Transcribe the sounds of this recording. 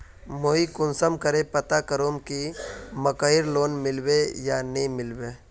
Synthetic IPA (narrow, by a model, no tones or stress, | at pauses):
moːikʊnsəmkəɾepət̪akəɾoːmkiməkəɪɾloːnmɪlbejanĩmɪlbe